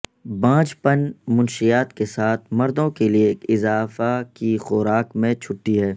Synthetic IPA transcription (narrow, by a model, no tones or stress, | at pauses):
bãːt͡ʃpənmʊ̃nʃijaːt̪kesaːt̪ʰmɐɾd̪õkelieːkɪzaːfakixʊːɾaːkmẽt͡ʃʰʊʈːiɦɛː